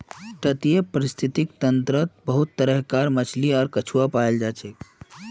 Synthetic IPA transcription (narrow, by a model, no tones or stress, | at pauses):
ʈ̪ət̪ijepəɾist̪ʰit̪ikt̪ənt̪ɾət̪̚bəɦut̪ːəɾəɦkaɾmət͡ʃʰliɔːɾkət͡ʃʰuapaeld͡ʒat͡ʃʰek